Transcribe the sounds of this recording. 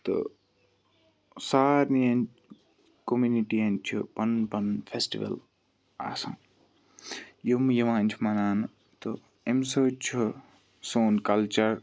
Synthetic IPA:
t̪ɨ̰ | saːɾniɐn | komuniʈiɐnt͡ʃʰupɐnpɐnfʰesʈḭʋɐ̰l | a̰ːsɐ̰̃ | jumjɐʋãːnʲt͡ʃʰimɐnaːn | t̪ɨ | emsəːt͡ʃʰu | soːnkɐlt͡ʃɐɾ

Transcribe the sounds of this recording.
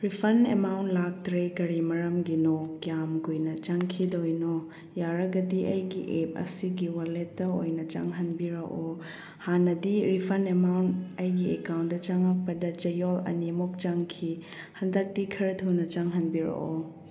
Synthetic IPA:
ɾipʰɐnemawntlak̚tɾekɐɾimɐɾɐmɡinokjamɡujnɐt͡ʃaŋkʰidojno | jaɾɐɡɐdiʔɐjɡiʔep̚ɐ̰siɡiwaletːɐojnɐt͡ʃa̰ŋɦɐnbiɾɐʔo | hanɐdiɾipʰɐnemawntɐjɡiekawntːɐt͡ʃaŋak̚pɐdɐt͡ʃɐjolɐ̰nimok̚t͡ʃaŋkʰi | hɐndɐk̚tikʰɐɾɐtʰunɐt͡ʃaŋɦɐnbiɾɐ̰ʔo

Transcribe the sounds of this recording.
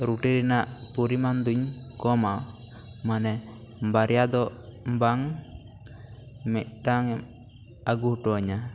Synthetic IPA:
ɾuʈiɾinaʔpuɾimand̪uɲkɔma | manɛ | baɾjad̪ɔbaŋ | mɛʔ̚ʈaŋɛm | aɡuhʈɔɲa

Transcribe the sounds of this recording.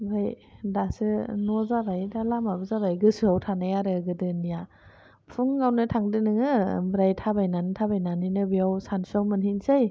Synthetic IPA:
baj | dasɯnɔzabajdalamabɯzabajɡɯsɯawtʰanajaɾɯɡɯdɯnija | pʰuŋːawnɯtʰaŋdɯnɯŋɯbɾajtʰabajnantʰabajnaninɯbiawsansawmɯnhinsaj

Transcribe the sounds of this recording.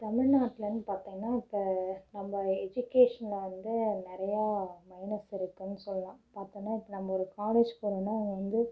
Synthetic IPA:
t̪ɐmɪɻnaːʈːɪlɐnːɯpaːɾt̪ĩŋɡɐnːaːɪpːɐnɐmːɐɛd͡ʒʊkeːʂɐnlɐʋɐnd̪ɯnɪɾɐjaːmɐɪnɐsɪɾɯkːɯnːɯsɔlːɐlãːpaːɾt̪ɯŋɐnːaːɪpːɐnɐmːɐɔɾɯkaːleːd͡ʒpoːɾũnːaːɐʋɐŋɡɐʋɐnd̪ɯ

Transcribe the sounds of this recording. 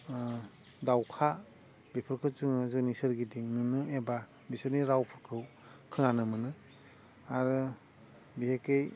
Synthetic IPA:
dawkʰa | bipʰɯɾkʰɯt͡ʃɯŋɯzɯnisɯɾɡidiŋnunɯeba | bisɯɾniɾawpʰɯɾkʰɯw | kʰɯŋanɯmɯnɯ | aɾɯ | bihekej

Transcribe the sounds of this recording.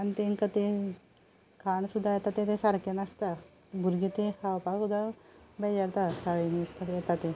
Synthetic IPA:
anit̪eŋkət̪e | kʰaɳsud̪ʱːajɛt̪at̪ẽt̪esaɾkenast̪a | bʱuɾɡit̪ekawpasud̪ʱabɛd͡ʑaɾt̪asaɭinist̪ajɛt̪at̪e

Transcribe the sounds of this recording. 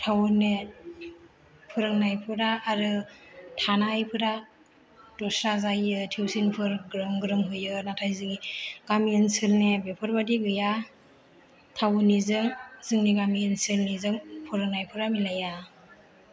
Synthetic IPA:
tʰawune | pʰɯɾɯŋnajpʰɯɾaːɾɯtʰanajpʰɯɾa | d̥ɔsɾazajɯtʰiwsinpʰɯɾɡɾɯŋɡɯɾɯŋɦujɯnatʰajzɯɡiɡ̥amiinsɯlnebepʰɔɾbadiɡɯja | tʰawunizɯŋzɯŋniɡamiːnsɯlnizɯŋpʰɯɾɯŋnajpʰɯɾamilaja

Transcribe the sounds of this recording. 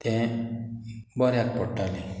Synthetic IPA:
t̪ɛ̃ | bɔɾjak̚pɔʈːale

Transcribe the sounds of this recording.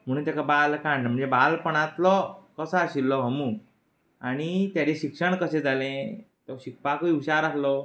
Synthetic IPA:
m̤əɽ̃ũnt̪jakabalkãɳɖm̤əɳnd͡zebalpəɳat̪lɔkəsəaɕilːɔbʱəmũ | aɽ̃it̪jaleɕikʂəɳkəsẽd͡zalẽ | t̪ɔɕik̚pakiiɕaɾaslɔ

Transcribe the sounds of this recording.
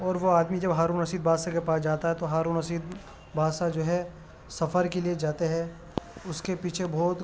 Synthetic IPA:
ɔːɾʋoaːd̪mid͡ʒɐbɦaːɾuːnɐsiːd̪̚baːsakepaːsd͡ʒaːt̪aɦɛt̪oɦaːɾuːnɐsiːd̪̚ | baːsad͡ʒoːɦɛ | sɐfəɾkelied͡ʒaːt̪eɦɛ̃ː | ʊskepiːt͡ʃʰebʱɔːt̪

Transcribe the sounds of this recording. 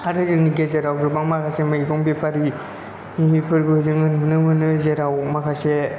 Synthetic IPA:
aɾɯzɯŋniɡezeɾawɡɾɯbaŋmakʰasemaiɡɔŋbipʰaɾi | imipʰɯɾbɯzɯŋɯnmunɯmɯnɯzeɾawmakʰase

